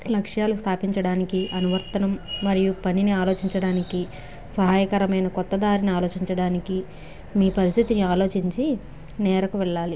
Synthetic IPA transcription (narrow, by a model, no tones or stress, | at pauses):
lɐkʂjaːlust̪ʰaːpiɲt͡ʃɐɽaːnikiʔɐnuʋɐɾt̪ɐnɐmːɐɾijupɐniniaːlo̞ːt͡ʃiɲt͡ʃɐɽaːniki | sɐɦaːjɐkɐɾɐmɐjnɐkɔt̪ːɐd̪aːɾiniaːlo̞ːt͡ʃiɲt͡ʃɐɽaːniki | miːpɐɾist̪ʰit̪iniaːlo̞ːt͡ʃiɲt͡ʃi | nɛːɾɐkuʋɛɭːaːli